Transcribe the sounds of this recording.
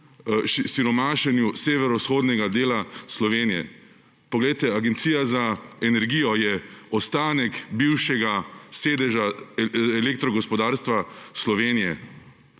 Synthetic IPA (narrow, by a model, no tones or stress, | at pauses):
siɾɔmaːʃɛnjuseːʋɛɾɔsxoːd̪nɛɡad̪eːlaslɔʋeːnijɛ̰ | pɔɡlɛjt̪ɛaɡɛnt̪siːjazaɛnɛɾɡiːjɔjɛɔst̪aːnɛkbiwʃɛɡaseːd̪ɛʒaɛlek̚t̪ɾɔɡɔspɔd̪aːɾst̪ʋaslɔʋeːnijɛ̰